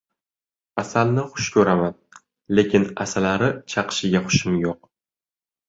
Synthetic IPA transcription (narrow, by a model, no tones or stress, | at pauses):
asalnɪχʊʃkʲʰɵɾaman | le̞kʲɪna̰salaɾɪt͡ʃʰɑqɨ̥ʃɪɡʲaχʊ̥ʃɪmjoq̚